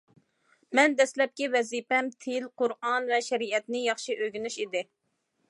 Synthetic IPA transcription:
mɛnd̪ɛslɛp̚kʲivɛzipɛmt̪ʰɪlqʰʊɾɑnvɛʃɛɾiɛt̪nɪjɑχʃiʔøɡʲynyʃid̪ɪ

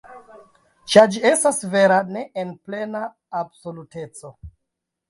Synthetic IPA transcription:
t͡ʃaɾd͡ʒie̞stasve̞ɾane̞ʔenple̞naː | bso̞lute̞t͡so̞

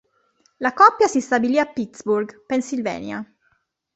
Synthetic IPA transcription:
lakɔpːjasist̪abiliapːit̪sburɡpɛnsilvɛ̰ːnja

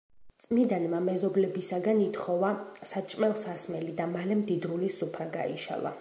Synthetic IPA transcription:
t̪sʼmid̪anmamɛzɔblɛbisaɡanit̪ʰχɔvasat͡ʃʼmɛlˠsasmɛlid̪amalɛmd̪id̪ɾulisupʰɾaɡa̰ḭʃa̰lˠa̰

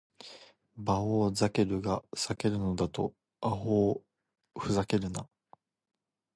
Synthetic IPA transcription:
baoːzake̞ɾɯ̟ɡasake̞ɾɯ̟no̞d̪at̪o̞̰ | aɦoː | ɸɯ̟zake̞ɾɯ̟na

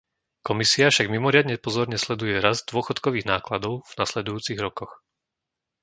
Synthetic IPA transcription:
kɔmisiafʃaɡmimɔɾɪad̪ɲɛpɔzɔɾɲɛslɛd̪ujɛɾazd̪ʊɔxɔt̪kɔʋiːɣnaːklad̪ɔʊvnaslɛd̪ujuːt͡siɣɾɔkɔx

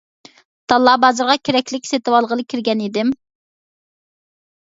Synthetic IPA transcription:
t̪ɑlˠːɑbɑːzɨɾʁɑkʲʰeɾɛkʲlɪkʲset̪ɨwɑlˠʁəlˠɨkʲʰɪɾɡʲɛnid̪ɪm

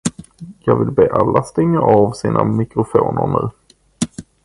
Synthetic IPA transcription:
jɑːɡvɪlbeːʔalːast̪ɛŋːaʔɑvsiːnʔamɪkɾʊfoːnəɾɳʉ̟ː

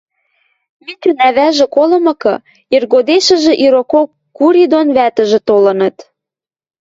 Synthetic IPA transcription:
mit̪ənæβæʒĕkolɤ̆mɤ̆kɤ̰̆ | irɣod̪eʃə̆ʒĕʔiɾokokː | uɾid̪onβæt̪ə̆ʒĕt̪olɤ̆nɤ̆t̪

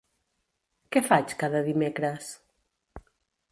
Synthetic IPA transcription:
kɛfat͡ʃkaðəðimekɾəs

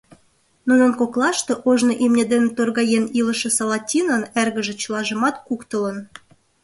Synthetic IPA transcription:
nunə̆nkoklɑʃt̪oʔoʒnoʔimnʲed̪ent̪orɣɑjenilə̆ʃĕsɑlɑtʲinənærɣə̆ʒĕt͡ɕəlɑʒə̆mɑt̪kukt̪ə̆lə̆n

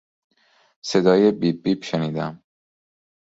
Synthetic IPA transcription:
se̞d̪ɒːjebibiːbʃeniːd̪æm

